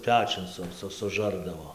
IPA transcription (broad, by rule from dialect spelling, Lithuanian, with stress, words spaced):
ˈpʲæːt͡ʃʲʊn ˈsʊ ˈsʊ sʊˈʒɐrdɐʋoː